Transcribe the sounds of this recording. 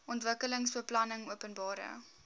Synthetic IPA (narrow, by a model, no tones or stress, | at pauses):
ʔɔntvəkələŋsfuəplɐnəŋuəpənbɑːɾə̰